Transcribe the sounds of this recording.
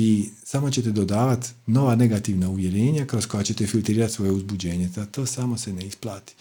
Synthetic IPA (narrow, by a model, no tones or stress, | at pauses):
isamo̞t͡ɕe̞t̪e̞d̪o̞d̪aːʋat̪no̞ʋane̞ɡat̪iːʋnauʋje̞ɾe̞ːɲakɾosko̞jat͡ɕe̞t̪e̞filˠt̪ɾiːɾat̪so̞je̞uzbud͡ʑe̞ːɲe̞zat̪o̞ːsamo̞se̞neisplˠaːt̪i̥